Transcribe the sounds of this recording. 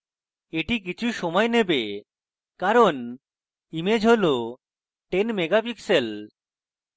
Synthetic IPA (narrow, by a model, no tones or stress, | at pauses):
eʈik̬it͡ɕʰuʃɔmɔenebe | kaɾon | imed͡ʑʱɦolo | ʈenmeɡapiksel